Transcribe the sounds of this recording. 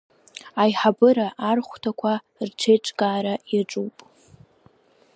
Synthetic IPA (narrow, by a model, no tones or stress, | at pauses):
ajħabɨɾaʔarχʷtʰakʷʰa | rʈ͡ʂʰejʈ͡ʂʼɡaːɾajaʈ͡ʂʼuwpʼ